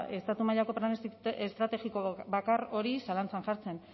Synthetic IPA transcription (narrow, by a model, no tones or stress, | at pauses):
e̞st̪at̪umaʎako̞pɾanest̪ɾat̪e̞ɣiko̞bakaro̞ɾisalant͡sanʝaɾt͡se̞n